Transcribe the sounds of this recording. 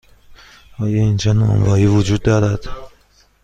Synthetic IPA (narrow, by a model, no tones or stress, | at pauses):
ʔɒːjɒind͡ʒɒnɒ̰ːmvɒːɾiːvod͡ʒuːd̪̚ːɒːɾæd̪̥